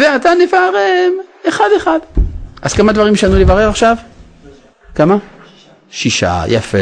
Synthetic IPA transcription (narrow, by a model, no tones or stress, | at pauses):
veat̪anefaʁemeχad̪eχad̪ʔaz̥kamad̪vaʁimʃanulevaʁeʁaχʃav | kama | ʃiʃa̰ja̰fe